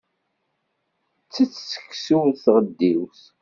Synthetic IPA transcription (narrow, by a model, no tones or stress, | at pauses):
t͡sːət͡sːsə̥kːsuwθʁəd̪ːiwθ